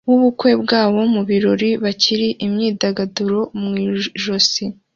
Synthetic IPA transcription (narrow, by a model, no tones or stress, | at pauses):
wuβukwe̞bɡaːwo̞muβiɾo̞ɾiβaciɾiʔimɲiːdaɡaduɾo̞mŋiːʒo̞si